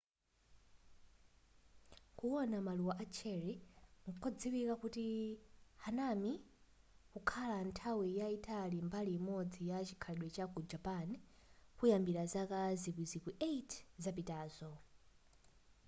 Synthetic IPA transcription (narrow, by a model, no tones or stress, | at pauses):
kuwɔnamaluwaʔat͡ʃʰɛɾiŋkʰɔd͡ziwikakuti | hanami | kukʰalantʰawijaitalimbaliːmɔd͡zijat͡ʃi̥kʰaɗwɛt͡ʃakud͡ʒapankujambiɾazakazipizikiʔeitʰzapitaːzɔ